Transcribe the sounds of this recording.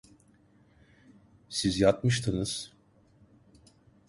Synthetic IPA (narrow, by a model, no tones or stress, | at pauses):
sizjat̪̚mɯʃt̪ʰɯnɯz̥